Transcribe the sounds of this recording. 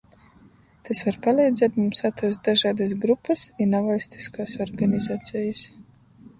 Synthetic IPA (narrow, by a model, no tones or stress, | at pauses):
t̪asvaɾpalʲˠɛjd̪zʲɛːt̪mumsat̪ɾas̬t̪̚d̪aʒaːd̪as̬ɡɾupːɐsinavalst̪i̥skaːsɔɾɡanʲizaːt̪sɛjɨs